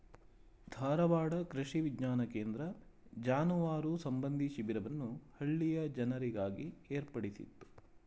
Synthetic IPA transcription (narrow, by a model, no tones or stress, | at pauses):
d̪ʱaːɾɐʋaːɽɐkɾiʂiʋidɲaːnɐkeːnd̪ɾɐd͡ʒaːnuʋaːɾusɐmbɐnd̪ʱiʃibiɾɐʋɐnːuhɐɭːijɐd͡ʒɐnɐɾiɡaːɡieːɾpɐɽisḭt̪ːu̥